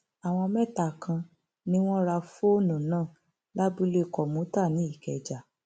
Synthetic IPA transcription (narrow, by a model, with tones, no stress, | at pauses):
a˨w̃ɔ̃˧mɛ˦˨ta˨kʰã˧ | nĩ˦w̃ɔ̃˦ɾa˧fo˦nũ˨nãː˦˨ | la˦bu˦le˦˨kɔ˨mũ˨˦ta˦˨nĩ˨˦i˦˨kɛ˨d͡ʒa˨